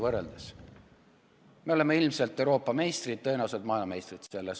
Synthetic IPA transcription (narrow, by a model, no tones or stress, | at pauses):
vɤrːeld̪̥es | me̞o̞lemːeilmselt̪ːˑe̞wɾo̞ːpːˑɑme̞jst̪rid̪̥̚t̪ɤjnewselt̪mɑilmɑme̞jst̪rid̪se̞lːes